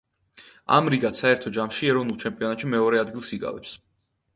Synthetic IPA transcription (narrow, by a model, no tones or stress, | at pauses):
a̰mɾiɡat̪saɛɾt̪ʰɔd͡ʒamʃiɛɾɔvnulˠt͡ʃʰɛmpʼiɔnat̪ʃimɛɔɾɛad̪ɡilˠsiɡa̰lɛ̰ps